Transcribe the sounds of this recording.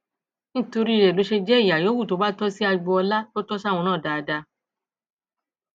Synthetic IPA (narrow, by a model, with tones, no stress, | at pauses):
nĩ˦to˧ɾi˦˧˨ɾɛ˨lo˨˦ʃe˧d͡ʒɛ˦i˦˨ja˨jo˨˦wu˦˨to˨˦ba˦tɔ˦si˦a˧ɡ͡bɔ˧ɔ˧la˦to˦tɔ˦sa˦˨w̃ɔ̃˧nãː˦˨da˨˧da˧